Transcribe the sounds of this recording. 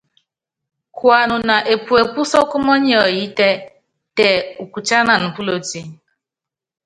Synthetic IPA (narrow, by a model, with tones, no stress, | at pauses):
kʊ˨a˨nʊ˨na˨ʔe˨pu˨e˨pu˦sɔ˦kʊ˦mɔ˦ɲe˦˨ɔ˨ji˦te˦ | te˨u˨kʷu˨t͡ʃa˦na˨n̩˨pu˦lo˨ti˦